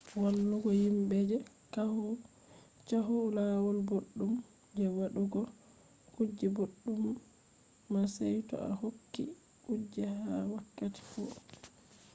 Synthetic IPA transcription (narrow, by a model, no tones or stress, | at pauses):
walːuɡɔjimbɛd͡ʒɛ | kahɔ | t͡ʃaɦulawɔlboɗːum | d͡ʒɛwaɗuɡɔ | kud͡ʒːɛboɗːumː | asɛjtɔ̰a̰hokːḭ | kud͡ʒːɛhawakːati̥fɔ